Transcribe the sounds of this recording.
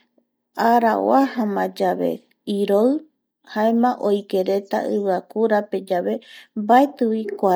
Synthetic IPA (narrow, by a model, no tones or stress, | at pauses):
aɾaw̰ahamãd͡ʒaβe̞̰ | iɾoɨ | haemãʔojke̞ɾe̞t̪a̰ʔɨβɨakuɾape̞d͡ʒaβe̞mbaet̪ɨwikʷa